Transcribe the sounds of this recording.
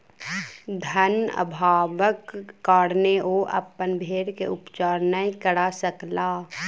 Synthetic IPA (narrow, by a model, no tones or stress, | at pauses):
d̪ʱənə̰bʱaːʋəkːaːɽneʔoːʔɐ̰pːənbʱeːɽkeʊpt͡ʃaːɾnəikəɽasəklaː